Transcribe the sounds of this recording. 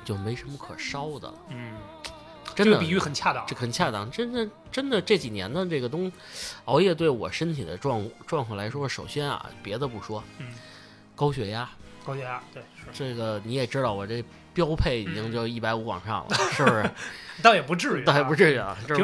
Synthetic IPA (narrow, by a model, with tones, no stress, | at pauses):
t͡ɕjo˥˩ʊme˧˥ɪʂə˧˥nmə˧kʰɤ̰˨˩ʂɑ˥ʊd̪ə̰˨˩˥ | ʈ͡ʂə˥d̪ə˨pi˨˩y˥˩xə˨˩nt͡ɕʰja˥˧t̪ɑ˥˧ŋʈ͡ʂxə˨˩nt͡ɕʰja˥˧˩t̪ɑ̰˧˩ŋʈ͡ʂə˥nd̪ə˨ | ʈ͡ʂə˥nd̪ə˨ʈ͡ʂɤ˥˩t͡ɕi˨˩njɛ̰˧˥nd̪ə˧ʈ͡ʂɤ˥˩ɡə˩t̪ʊ˥ŋ | ɑ˧˥ʊjɛ˥˧˩t̪̬we˥˩ɪwɔ̰˨˩ʂə˥nt̪ʰi˨˩d̪ə̰˦ʈ͡ʂwɑ˥˧ŋ˥ʈ͡ʂwɑ˥˧ŋʰwɑ˥˩la˧˥ɪʂwɔ˥ʂo˨˩ʊɕjɛ˥nɐ̰˩pjɛ˧˥d̪ə˧pu˥˩ʂwɔ˥˩ | kɑ˥ʊɕɥɛ˧˥ja˥kʊɛ˧˦ja˥t̪we˥˩˥ʈ͡ʂɤ˥˩ɡə˩ni˧˥jɛ˨˩ʈ͡ʂɻ̩˥d̪ɑ˥˩ʊwɔ˨˩ʈ͡ʂɤ˥˩ɡə˩ | pjɑ˥ʊpʰe˥˩ɪi˨˩t͡ɕi˥ŋt͡ɕjo˥˧ʊ˧i˥˩pa˧˥ɪu˧˥wɑ̰˨˩ŋʂɑ̰˥˩ŋlə˦˩ʂɻ̩˥˩bʊ˩˧t̪ɑ˥˩ʊjɛ˨˩pu˧˥ʈ͡ʂɻ̩˥˩t̪ɑ˥˩jɛ˨˩p̬u˧˥ʈ͡ʂɻ̩˥˩i˥˩lə̰˨˩o˥˩˧